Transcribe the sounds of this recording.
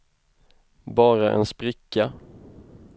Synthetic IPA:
bɑːɾaʔɛ̰nspɾɪkːa

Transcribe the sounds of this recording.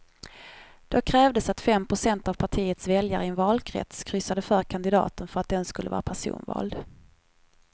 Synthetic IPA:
d̪̥okʰɾɛːvd̪əsat̪fɛmpʰɾʊsɛnt̪avpʰaʈʰiːət̪svɛljaɾəɪɛnvɑːlkʰɾɛ̰t̪skʰɾʏsad̪əfœːɾkʰand̪ɪd̪ɑ̰ːt̪ənfœɾat̪̚d̪ɛnskɵlːəvɑːɾa̰pʰæʂṵːnvɑ̰ːld̪

